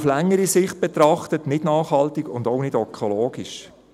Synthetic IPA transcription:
flɛŋːəɾisɪχt̚b̥ɛt̪ɾɑχtətnɪdnɑːχhɑltiɡʊndɔʊnɪdœkʰɔloːɡiʃ

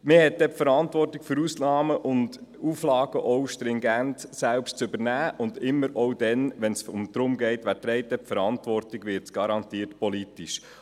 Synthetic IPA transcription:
mɪhɛt̚dɛpfəɾɑntvʋɔrtikfʏɾuːsnɑːməʔʊnduːflɑːɡ̥əʔɔwʃtɾɪŋɡæntsælpʃtt͡sʏbəɾnæːʊndɪmːəɾɔwdɛnʋɛnsʊmd̥̪ɾʊmɡɛɪtʋætɾɛɪtɛpfəɾɑntʋɔrtiɡʋɪɾtt͡sɡ̥ɑɾɑntiːtpɔlitiʃ

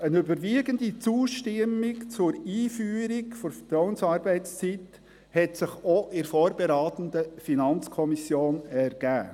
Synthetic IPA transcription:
ənøbəɾʋiəɡənd̪it͡suːʃtɪmːɪkt͡sʊɾiːfyːɾiɡfɔɾfətɾɔwənsɑːɾbɛɪtt͡st͡sit | hɛtsɪχɔʔɪɾfoːɾbeɾɑːt̪ənd̥̪əfinɑnt͡skʰɔmisjoːnɛɾɡ̥æ̰ː

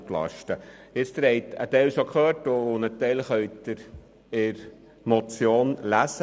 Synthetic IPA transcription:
klɑ̰ʃtəɪt͡st̪ɾhɛɪt̪ə̰t̪ɛlʃokʰχøːtʊnət̪ɛlχœʏt̪ɪɾ | ɪɾ | mot͡sjoːnlæsə

